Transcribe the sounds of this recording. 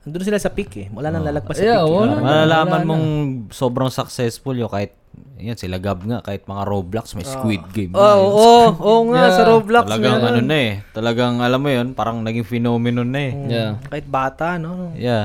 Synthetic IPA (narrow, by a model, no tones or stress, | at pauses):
ʔɐŋd̪onsɪlasɐpikɛmʊlaːnɐŋlalɐɡ̚basaomɐlalaːmɐnmoŋso̞ːbɾɐŋsɐk̚sɛsfʊljokaːhɪt̪̚ | ɐjonsɪlɐɡab̚ŋaʔkaːhɪt̪̚mɐŋaɾoblɐksmɐjskwit̪̚ɡemooːʔoʔoŋaʔsɐɾoblɐkɐlɐɡaŋɐnonɐɛt̪ɐlɐɡaŋʔɐlamːojonpaːɾɐŋnɐɡiŋfɪnoːmɪnonɐɛjkaːhɪt̪̚baːt̪aʔnoja